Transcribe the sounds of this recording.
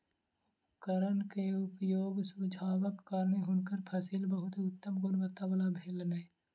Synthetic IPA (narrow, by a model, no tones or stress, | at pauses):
kəɾənkeʊpjoːɡsud͡ʒʱaːwəkːəɾneɦʊnkəɾpʰəsɪlbəɦʊt̪ʊt̪ːəmɡʊnʋət̪ːabəlabʱelneː